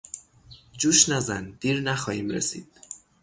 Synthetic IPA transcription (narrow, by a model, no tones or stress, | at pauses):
d͡ʒuːʃnæzænd̪̥iːɾnæxɒːhiːmɾḛsḭːd̪̥